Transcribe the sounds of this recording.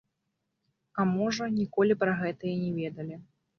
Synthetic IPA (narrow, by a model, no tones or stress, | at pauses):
ɐmɔʐɐnʲikɔlʲipɾɐɣɛt̪ɐjɛnʲɛvʲɛd̪ɐlʲi